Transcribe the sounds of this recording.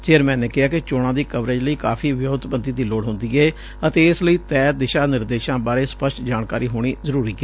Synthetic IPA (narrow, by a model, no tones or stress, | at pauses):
t͡ʃeːəɾmɛ̃ːneːkɪɦaːkɪt͡ʃoːɽ̃ãːd̪iːkəʋɾeːd͡ʒləiːkaːfʰiːʋɪjoːt̪bənd̪iːd̪iːloːɽɦʊ̃nd̪iːɡɛeː | ət̪eːɪsləiːt̪ɛːd̪ɪʃaːnɪɾd̪eːʃãːbaːɾeːspəsʈd͡ʒaːɳkaːɾiːɦoːɽ̃iːzəɾuːɾiːɡɛː